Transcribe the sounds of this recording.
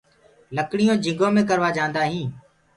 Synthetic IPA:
ləkɽijõːd͡ʒɪ̃ŋɡõːmẽːk̬əɾʋaːd͡ʒãːnd̪aːɦĩː

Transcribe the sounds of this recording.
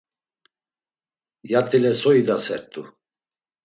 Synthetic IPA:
jat̪ʼilɛsɔid̪asɛɾt̪ʼu

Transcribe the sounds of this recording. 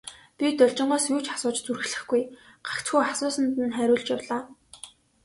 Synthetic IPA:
pʲit̪ɔɮt͡ɕɪ̆ɴɢɔːsjuːt͡ɕḁsʊːt͡ɕt͡surxɮɘ̆xɡujɢ̥ḁkt͡sxujasʊːsə̆nt̪ɘ̆nχæːɾʲʊːɮt͡ɕjawɮaː

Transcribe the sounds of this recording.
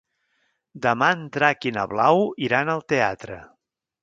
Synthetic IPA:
d̪əmaənd̪ɾakinə̰βlawiɾanəlˠt̪eat̪ɾə̰

